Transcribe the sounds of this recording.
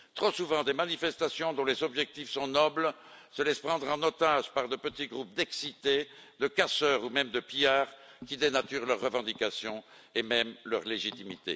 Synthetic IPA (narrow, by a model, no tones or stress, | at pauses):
t̪χosuvɑ̃d̪emanifɛst̪asjɔ̃d̪ɔ̃lezɔbʒɛk̚t̪ifsɔ̃nɔbl | səlɛspχɑ̃d̪ʁɑ̃not̪aʒpaʁd̪əpət̪iɡʁup̚d̪ɛksit̪e | d̪əkasœʁumɛmd̪əpijaːʁkʲid̪enat̪yʁlœʁːəvɑ̃d̪ikasjɔ̃ | emɛmlœʁleʒit̪imit̪ḛ